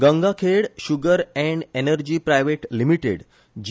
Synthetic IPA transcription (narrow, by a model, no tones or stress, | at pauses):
ɡə̃ŋɡakʰeɽɕuɡəɾɛ̃ɳɖenəɾd͡ʑiːpɾajʋeʈlimiʈḛɽ | d͡ʑ